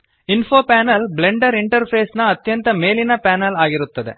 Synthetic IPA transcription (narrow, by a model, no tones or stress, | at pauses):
infʰoːpaːnɐlble̞ɳɖɐɾiɳʈɐɾpʰeːsnɐːt̪jɐnt̪ɐmeːlinɐpaːnɐlaːɡiɾut̪ːɐd̪e̞̰